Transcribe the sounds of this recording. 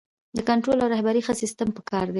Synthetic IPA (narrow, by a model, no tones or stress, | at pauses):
d̪əkaɳʈɾolawɾahbaɾixəsist̪əmpəkɑɾd̪e